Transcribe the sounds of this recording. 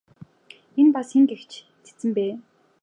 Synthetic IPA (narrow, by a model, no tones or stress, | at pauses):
enpasxeŋɡext͡ɕʰ | t̪ʰe̥t͡sɘ̆mpæː